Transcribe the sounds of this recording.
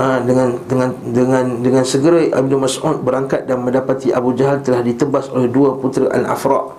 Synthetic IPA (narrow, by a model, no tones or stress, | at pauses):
ʔadəŋandəŋãndəŋãndəŋãnsəɡəɾaa̰b̚numasʔut̪̚bəɾaŋkat̪̚danmə̃ndapat̪iʔabud͡ʒaɦalt̪əlahdit̪əbasolɛhduaput̪ɾaʔa̰la̰fɾɑ̰ʔ